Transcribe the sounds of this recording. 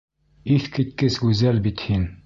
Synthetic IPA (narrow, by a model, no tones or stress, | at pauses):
iθkit̪̚kɘsɡʉzælbit̪hin